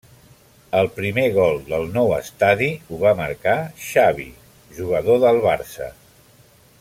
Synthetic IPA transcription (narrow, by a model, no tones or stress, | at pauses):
əlˠpɾimeɣɔlˠd̪əlˠnɔwəst̪aðiuβaməɾkaʃaβḭ | ʒuɣ̞əðoðəlˠβaɾsə̰